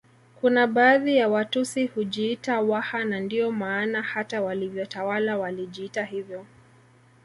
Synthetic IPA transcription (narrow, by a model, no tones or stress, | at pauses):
kunaɓaːðijawatusihuʄiːtawahanandiɔmaːnahatawalivjɔtawalawaliʄiitahivjɔ